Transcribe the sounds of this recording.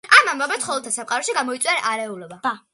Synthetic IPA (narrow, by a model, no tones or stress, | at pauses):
amambabɛt̪χɔlˠt̪ʰasapqʼaɾɔʃiɡamɔitsʼwiaɾʔaɾɛulɛbḁa